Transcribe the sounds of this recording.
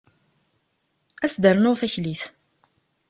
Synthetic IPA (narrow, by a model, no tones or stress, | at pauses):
æsd̪əɾənʊʁθæçliθ